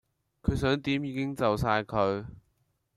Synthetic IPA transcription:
kʰɵ˨˧ɥs̬œː˨˥ŋt̪iː˨˥mjiː˨˧kɪ˥ŋt͡sɐ˨wsaː˧jkʰɵ˨˧ɥ

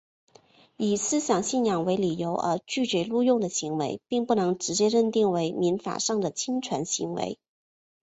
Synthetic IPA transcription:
i˨˩sɹ̩˥ɕjɑ˨˩ŋɕi˥˩njɑ˨˩ŋwe˧˥ɪli˨˩jo˧˥ʊʔə̰˞˧˥t͡ɕy˥˩t͡ɕɥɛ˧˥lu˥˧jʊ˥˩ŋd̪ə˩ɕi˧˥ŋwḛ˧˥ɪpi˥˧ŋpu˥˩nɤ˧˥ŋʈ͡ʂɻ̩˧˥t͡ɕjɛ˥ɻə˥˧nt̪i˥˩ŋwe˧˥ɪmi˧˥nfa̰˨˩ʂɑ˥˩ŋd̪ə˩t͡ɕʰi˥ŋʈ͡ʂʰwa˧˥nɕḭ˧˥ŋwḛ˧˥ɪ

